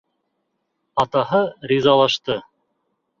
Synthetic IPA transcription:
ɑt̪ɑɦɤɾʲizɑlˠɑʃt̪ɤ

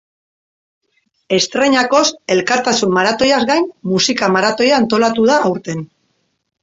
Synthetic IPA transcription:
e̞st̪ɾe̞ɲako̞se̞lkaɾt̪asumːaɾat̪o̞jazɣajnmusikamaɾat̪o̞jaːnt̪o̞lat̪uð̞aːwɾt̪e̞n

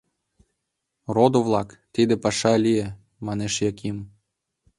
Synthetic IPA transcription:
rod̪ovlˠɑkt̪id̪ɘ̆pɑʃɑlʲije | mɑnɛʃjakʲim

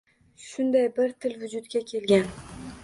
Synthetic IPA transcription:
ʃʊnd̪ajbɪɾt̪ʰɪlvʊd͡ʒʊt̪kʲakʲʰe̞lɡʲan

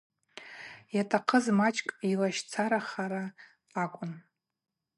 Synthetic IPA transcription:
jatʰʼaqʰəzmat͡ʃʼkʼilaʃt͡sʰaɾaχaɾaː | kʷʼʊn

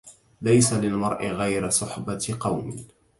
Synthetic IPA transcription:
lajsalɪlmɑɾˤʔɪɣajɾasˤʊħbaqɑwmɪ̰

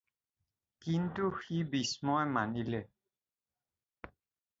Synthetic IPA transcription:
kintuxibismɔjmanilɛ

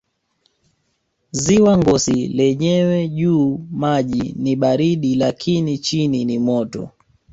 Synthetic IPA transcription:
ziwaŋɡɔsilɛɲɛwɛʄuːmaʄiniɓaɾiɗilakʰinit͡ʃininimɔtɔ̰

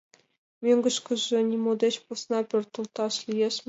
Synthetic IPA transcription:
mʲyŋɡɤ̆ʃkɘ̆ʒɘ̆nʲimod̪ʲet͡ɕpusnɑpʲørt̪ɤ̆lˠt̪ɑʃlʲijeʃ

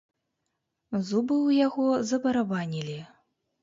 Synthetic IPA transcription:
zubɨwjaɣɔzɐbɐɾabanʲilʲi

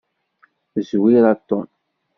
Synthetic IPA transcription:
zwiɾɑt̪ːɔn

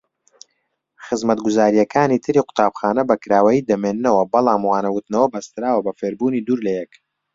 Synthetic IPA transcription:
χɨzmɐt̪̚ɡʊzaːɾijɛkʰaːnit̪ʰɨɾiːqʊ̥t̪aːbxaːnɐbɐkɾaːwɐjiːd̪ɐmeːnːɐwɐbɐlˠaːmwaːnɐwʊt̪nɐwɐbɐst̪ɨɾaːwɐbɐfeːɾbuːniːd̪uːɾlɐjɛk

